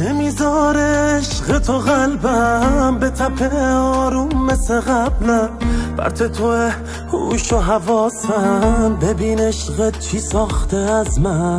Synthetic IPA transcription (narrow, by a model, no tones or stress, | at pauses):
nemizɔɾeʃɣet̪ʰoɣalbambet̪ʰapʰeɒːɾumːeseɣablæb̥æ̰ɾt̪ʰet̪ʰoe | hṵʃoɦavɔːsæmbebiːneʃɣe | isɒːχt̪ʰeazmæ